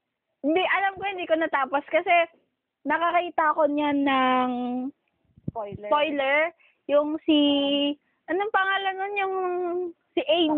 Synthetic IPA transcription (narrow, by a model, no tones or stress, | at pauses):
hɪnd̪iʔɐlamko̞hɪnd̪iːkonɐt̪aːposkɐsɛ | nɐkɐkɐkiːt̪ɐʔɐko̞ɲanːɐŋ | pojlɛɹ | jʊŋsi | ʔɐnoŋpɐŋaːlɐnonjʊŋ | sɪʔejm